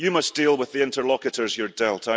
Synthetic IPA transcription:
jɨmʌsd̥ilˠwɪðiɪ̃ntə˞lˠɔkɨʔə˞zjə˞dɛlˠʔʰa

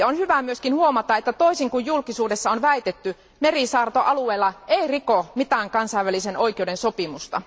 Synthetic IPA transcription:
onhyʋæmyøskinhuomɑt̪ɑʔet̪ːæt̪o̞isiŋkujjulkisuːdesːɑonʋæit̪et̪ːy | merisɑːrt̪oʔɑlueːlːɑeirikomit̪æːŋkɑnsɑiʋːæliseno̞ikeudensopimust̪ɑ̰

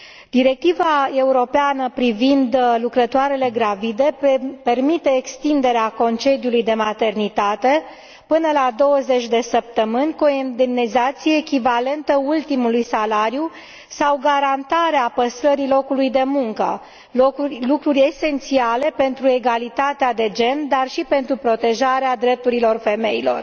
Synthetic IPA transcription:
d̪̥iɾe̞k̚t̪ivae̞uɾo̞peanəpɾivind̪lukɾət̪oaɾe̞le̞ɡɾavid̪e̞pe̞rmit̪e̞ːkst̪ind̪e̞ɾeako̞nt͡ʃe̞d̪ijulujd̪e̞mat̪e̞rnit̪at̪e̞ | pɨnəlad̪o̞wəze̞t͡ʃʲd̪e̞səp̚t̪əmɨnʲkuoend̪emnizat̪sieːkʲivale̞nt̪əult̪imulujsalaɾju | sawɡaɾant̪aɾeapəst̪ɾəɾilo̞kulujd̪e̞muŋkə̰ | olukɾurʲe̞se̞nt̪siale̞pe̞nt̪ɾue̞ɡalit̪at̪ead̪e̞d͡ʒe̞nd̪arʃipe̞nt̪ɾupɾo̞t̪e̞ʒaɾead̪ɾe̞p̚t̪uɾilo̞rfe̞me̞ilo̞̰r

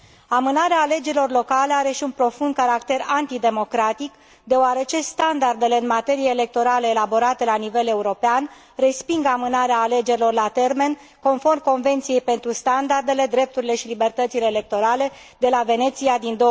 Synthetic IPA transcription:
amɨnaɾeaːle̞d͡ʒe̞ɾilo̞rlo̞kaleaɾe̞ʃiunpɾo̞fund̪̚kaɾakt̪e̞ɾant̪id̪e̞mo̞kɾat̪ik | d̪e̞oaɾe̞t͡ʃe̞st̪and̪ard̪e̞le̞ɨnmat̪e̞ɾijeːle̞k̚t̪o̞ɾaleːlabo̞ɾat̪e̞lanive̞le̞uɾo̞pean | re̞spiŋɡamɨnaɾeaːle̞d͡ʒe̞ɾilo̞rlat̪e̞rme̞n | ko̞nfo̞rmko̞nve̞nt̪sije̞jpe̞nt̪ɾust̪and̪ard̪e̞le̞d̪ɾe̞p̚t̪uɾile̞ʃilibe̞rt̪ət̪sile̞ːle̞k̚t̪o̞ɾale̞ | d̪e̞lave̞ne̞t̪siad̪ind̪o

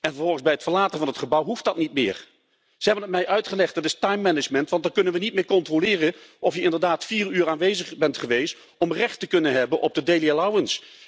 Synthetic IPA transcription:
ɛnvəɹvɔlˠχəŋzbɛjətfəɹlaːtənvɑnɦətχəbʌwɦuftdɑtnitmɪ̰ːɹ | z̥əɦɛbənət̚mɛjʔœɥtχəlɛχt̚d̥ɑtɪstɑjmːɛnɪd͡ʒmɛntʋɑntdaɹkɵnənʋənit̚mɪːɹkɔntrolɪːrəʔɔfjəɪndəɹdaːtfiːryːɹaːnʋejzəχbɛntχəʋejst | ɔmrɛχtəkɵnənɦɛbənʔɔb̚dədejlialawəns

